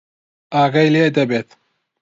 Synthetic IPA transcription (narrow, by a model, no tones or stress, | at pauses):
aːɡɐjleːd̪ɐbet̪